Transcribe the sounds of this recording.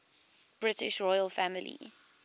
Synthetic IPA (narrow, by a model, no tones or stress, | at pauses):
b̥ɹɪtɪʃɹɔjəlˠfæmɪlḭ